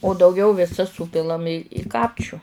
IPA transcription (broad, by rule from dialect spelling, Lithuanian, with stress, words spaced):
oː dɐʊˈɡʲɛʊ ʋʲɪˈsɐs ˈsuːpʲɪlˠɐm ɪ ɪ ˈkɑːpʲt͡ʃʲʊ